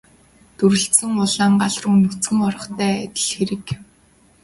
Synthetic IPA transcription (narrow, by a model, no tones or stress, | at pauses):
t̪uɾɘ̆ɬsɘ̆ŋʊɮaːɴɢaɮrʊːnɵt͡sɡɘ̆ŋɔɾɞ̆χt̪æːæt̪ʲɘ̆ɮxeɾɘ̆k